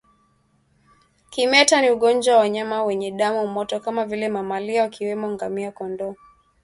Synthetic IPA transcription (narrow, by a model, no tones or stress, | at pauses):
kimɛtaniuɠɔnd͡ʒwawawaɲamawɛɲɛɗamumɔtɔkamavilɛmamaliawakiwɛmɔŋɡamiakɔndɔ